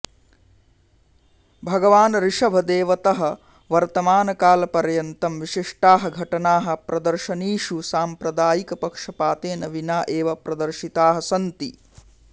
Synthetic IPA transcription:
bʱɐɡɐʋaːnɐɾiʂɐbʱɐd̪eːʋɐt̪ɐɦɐ̆ | ʋɐɾt̪ɐmaːnɐkaːlɐpɐɾjɐnt̪ɐmʋiʂiʂʈaːɦɐɡʱɐʈɐnaːɦɐ̆pɾɐd̪ɐɾʃɐniːʂusaːmpɾɐd̪aːjikɐpɐkʂɐpaːt̪eːnɐʋinaːʔeːʋɐpɾɐd̪ɐɾʃit̪aːɦɐsɐnt̪i

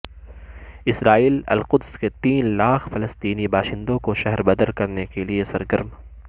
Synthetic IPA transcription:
ɪsɾaːiːlɐ̰lqʊd̪sket̪iːnlaːxʰfɐlɐst̪iːnibaːʃɪ̃nd̪õkoʃɛɦɛɾbɐd̪əɾkɐɾnekeliesɐɾɡəɾm

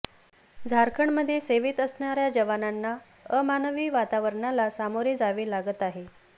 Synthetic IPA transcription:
d͡zʱaɾkʰəɳməd̪ʱːjeseʋiːt̪əsɳaɾjad͡ʑəʋananːa | əmanəʋiːʋat̪aʋəɾɳalasamoɾed͡zaʋelaɡət̪aɦe

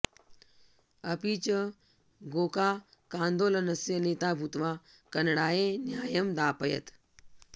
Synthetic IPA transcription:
ɐpit͡ʃɐ | ɡoːkaː | kãːnd̪oːlɐnɐsjɐneːt̪aːbʱut̪ʋaː | kɐnɽaːjenjaːjɐmd̪aːpɐjɐ̰t̪

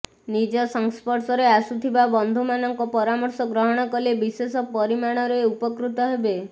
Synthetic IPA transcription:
nid͡ʒɔsɔŋspɔɾsɔɾeasut̪ʰibabɔnd̪ʱumanɔŋkɔpɔɾamɔɾsɔɡɾɔɦɔɽ̃ɔkɔlebisesɔpɔɾimaɽ̃ɔɾeupɔkɾut̪ɔɦebe

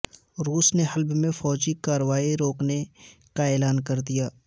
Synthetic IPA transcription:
ɾuːsneɦɐlbmẽfɔːd͡ʒikaːɾəʋaːiɾoːkne | kaeːlaːnkɐɾd̪ijaː

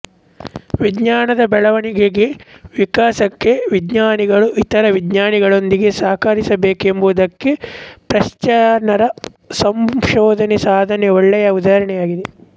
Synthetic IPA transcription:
ʋidɲaːnɐd̪ɐbɛɭɐʋɐniɡeɡeʋikaːsɐkːe̞ʋidɲaːniɡɐɭuʔit̪ɐɾɐʋidɲaːniɡɐɭo̞nd̪iɡe̞saːkɐɾisɐbeːke̞mbud̪ɐkːepɾɐʃt͡ʃɐnɐɾɐ | sɐmʃɔːd̪ʱɐnɛsaːd̪ʱɐnɛoɭːɛjɐud̪aːɐɾɐɳɛjaːɡid̪e

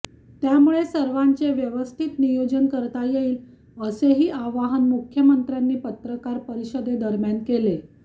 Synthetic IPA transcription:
t̪jamuɭesəɾʋãɲt͡seʋjəʋəst̪ʰit̪nijod͡ʑənkəɾt̪ajeiːl | əseɦiːʔaʋaɦənmukʰjəmənt̪ɾjanːiːpət̪ɾəkaɾpəɾiɕəd̪ed̪əɾmjankele

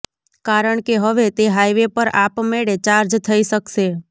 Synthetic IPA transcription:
kaɾəɳkeɦəʋet̪eɦajʋepəɾapmeɽet͡ʃaɾd͡ʒt̪ʰəiʃəkʃe

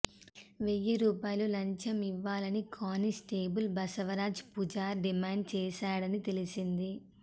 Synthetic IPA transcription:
ʋejːiɾuːpaːjlulɐɲt͡ʃɐmiʋːaːlɐnikʰaːnisʈeːbulbɐsɐʋɐɾaːd͡ʒpud͡ʒaːɖimaːɳɖ̚t͡ʃɛːʃaːɽɐnit̪e̞lisind̪i

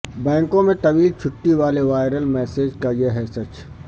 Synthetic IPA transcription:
bɛ̃ːŋkõmẽt̪ɐʋiːlt͡ʃʰʊʈːiʋaːleʋaːɪɾəlmɛːseːd͡ʒkajeɦɛsɐt͡ʃ

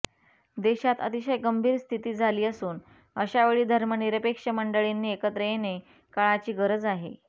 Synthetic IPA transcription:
d̪eɕat̪ət̪iɕəjɡəmbʱiːɾst̪ʰit̪iːd͡zʱaliːəsuːn | əɕaʋeɭiːd̪ʱəɾməniɾəpekʂəməɳɖəɭenːiːekət̪ɾəjene | kaɭat͡ɕiːɡəɾəd͡zaɦḛ

